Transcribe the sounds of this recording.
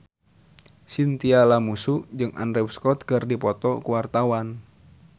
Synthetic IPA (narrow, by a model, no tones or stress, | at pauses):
sint̪ialamusuʔd͡ʒɨŋʔa̰ndɾɛwskɔt̪̚kɨrdipɔt̪ɔkuwart̪awan